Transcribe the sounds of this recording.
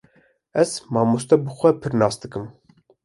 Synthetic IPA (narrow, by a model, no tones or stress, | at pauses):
ɛz̥mɑːmust̪ɛbɨxʷɛpʰɨɾnɑːsd̪ɨkɨm